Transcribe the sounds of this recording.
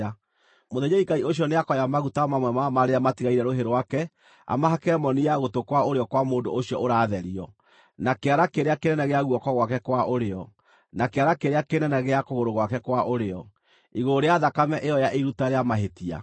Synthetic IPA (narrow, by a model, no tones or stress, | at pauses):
moðeɲeikaioɕ̬iɔneakɔjamaɣutamamwɛmamaɾeamatiɣaiɾɛɾoɦeɾowakɛ | a̰maɦakeɾɛmɔnijaɣotokwaoɾeɔkwamoːndo̰oɕijɔʔoɾaːðɛɾiɔ | nakeaɾakeɾeakenɛnɛɣeaɣuɔkɔɣwakɛkwaʔoɾeɔ | nakeaɾakeɾeakenɛnɛɣeakoɣoɾoɣwakɛkwaʔoɾeɔ | iɣoɾeaðakamɛʔejɔjaʔeiɾutaɾeamaɦetia̰